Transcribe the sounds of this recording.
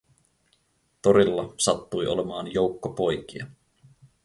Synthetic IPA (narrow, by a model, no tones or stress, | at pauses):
t̪o̞ɾilːɑsɑt̪ːujʔo̞̰le̞mɑːnjo̞wkːopo̞jkiɑ